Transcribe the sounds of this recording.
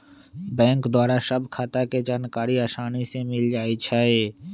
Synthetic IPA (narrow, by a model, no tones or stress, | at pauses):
bɛ̃ːŋkd̪waːɾaʃəbkʰat̪aked͡ʒaːnkaːɾiaːʃaːnisemɪld͡ʒaːit͡ʃʰaːeː